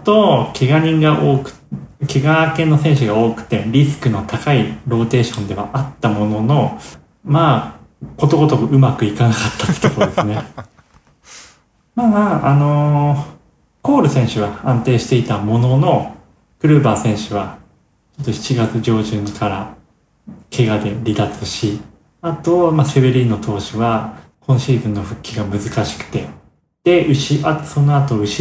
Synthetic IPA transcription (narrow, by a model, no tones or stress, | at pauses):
t̪o̞kʰe̞ɡaɲ̟ĩŋɡaʔo̞ːkɯ̟̥kʲe̞ɡaːkẽ̞nːo̞sẽ̞ɰ̃ɕ̬ɨɡao̞ːkɯ̟̥t̪ːe̞ɾʲisɨ̥kɯ̟no̞t̪akaiɾo̞ːt̪e̞ːɕõ̞nd̪e̞βaʔat̪ːamo̞no̞no̞ | maːko̞t̪o̞ɡo̞t̪okɯɯ̟makɯ̟ikanakat̪ːḁt̪ːe̥t̪okod̪e̞sɨne̞ | maːmaːʔano̞ | ko̞ːɾɯ̟sẽ̞ɰ̃ɕɨβaãnt̪e̞ːɕi̥t̪e̞it̪amo̞no̞no̞ | kɯ̟ɾɯ̟ːbaːsẽ̞ɰ̃ɕɨβa | t͡ɕo̞t̪ːoçi̥t͡ɕiɡat͡sɨʑo̞ːʑɨ̃ŋkʰaɾa | kʰe̞ɡad̪e̞ɾʲid̪at͡sɨɕi | at̪o̞mase̞βeɾʲino̞t̪ʰo̞ːɕiβa | kʰõ̞ñɕiːzɨ̃nːo̞ɸɯ̟kʲːiɡamɯ̟zɨkaɕi̥kɯ̟̥t̪e̞ | d̪̥e̞ɯ̟ɕiʔat̪so̞no̞at̪o̞ɯ̟ɕi